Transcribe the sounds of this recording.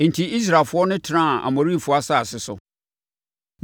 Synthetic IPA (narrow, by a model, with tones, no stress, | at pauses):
n̩˨tʰi˨i˦s̬ɾa˨lfʊ˦ɔ˦nʊ̃˦tʰɪ˨˦ã˦˨a̰˨mõ˨ɾi˦˨fʊ˨˦a˦sa˦˨sɪ˨sʊ̰˨